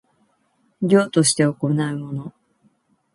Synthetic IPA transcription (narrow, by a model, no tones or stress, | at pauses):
ɡʲo̞ːt̪o̞ɕi̥t̪e̞oko̞naɯ̟mo̞no̞